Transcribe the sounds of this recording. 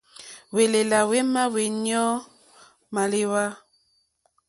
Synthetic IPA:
we˨le˨la˨we˦ma˦we˨ni˦ɔ˦ | ma˨le˦wa˦

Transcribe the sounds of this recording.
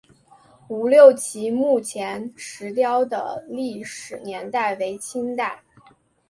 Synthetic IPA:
u˨˩ljo˥˩ʊt͡ɕʰi˧˥mu˥˩t͡ɕʰjɛ˧˥nʂɻ̩˧˥t̪jɑ˥ʊd̪ə̰˧li˥˩ʂɻ̩˨˩njɛ˧˥nt̪a˥˩ɪwe˧˥ɪt͡ɕʰi˥ŋt̪a˥˩ɪ

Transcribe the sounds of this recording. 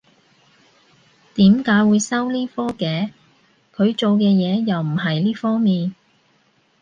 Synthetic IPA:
t̪iː˨˥mkaː˨˥jwuː˨˧jsɐ˥wliː˥fɔː˥kɛː˨˧ | kʰɵ˨˧ɥt͡ʃo˨wkɛː˧jɛː˨˧jɐ˨wm̩˨˩ɦɐ˨jliː˥fɔː˥ŋmiː˨n

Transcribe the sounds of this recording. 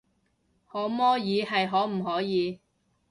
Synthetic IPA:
hɔː˨˥mɔː˥jiː˨˧ɦɐ˨jɦɔː˨˥m̩˨˩ɦɔː˨˥jiː˨˧

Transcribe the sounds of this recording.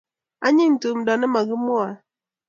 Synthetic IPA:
a˦ɲi˦n̩˨tu˨m˨da˨nə˦ma˨ɣə˦mo˦a˨

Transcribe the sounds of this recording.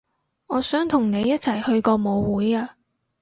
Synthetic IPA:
ɔː˨˧sœː˨˥ŋt̪ʰʊ˨˩ŋne˨˧jːɐ˥t̚t͡sʰɐ˨˩jhɵ˧ɥkɔː˧mo˨˧wuː˨˥jaː˧

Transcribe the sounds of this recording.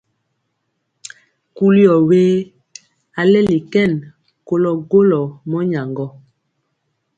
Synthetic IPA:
ku˦li˦ɔ˨weː˦ | a˨lɛ˦li˨kɛ˦˨n | ko˦lɔ˦ɡo˦lɔ˨mɔ˦ɲa˨ŋɡɔ˦

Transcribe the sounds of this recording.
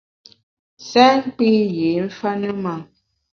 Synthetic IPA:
sɛ˦ŋ˦k͡pi˦je˨˦ɱ̩˦fa˦nə˦ma˦˨

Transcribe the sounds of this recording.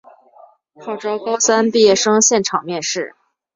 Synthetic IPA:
kʰɑ˥˩ʊʈ͡ʂɑ˥ʊkɑ˥ʊsa˥npi˥˧jɛ˥˩ʂɤ˥ŋɕjɛ˥˩nʈ͡ʂʰɑ˨˩ŋmjɛ˥˧nʂɻ̩˥˩

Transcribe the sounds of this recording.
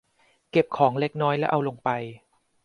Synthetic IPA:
ke˨˩p̚kʰɔː˩˦ŋle˦˥k̚nɔː˦˥jlɛ˦˥ʔa˧wlo˧ŋpa˧j

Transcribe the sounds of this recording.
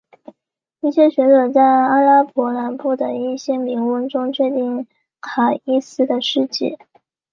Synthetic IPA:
i˥˩ɕjɛ˥ɕɥɛ˧˥ʈ͡ʂɤ˨˩t͡sa˥˩ɪa˥la˥pwɔ˧˥la˧˥npu˥˩d̪ə˩i˥˩ɕjɛ˥mi˧˥ŋwə˥˧nʈ͡ʂʊ˥ŋt͡ɕʰɥɛ˥˧t̪i˥˩ŋ | kʰa˨˩i˥sɹ̩˥d̪ə˨ʂɻ̩˥˧t͡ɕḭ˥˩

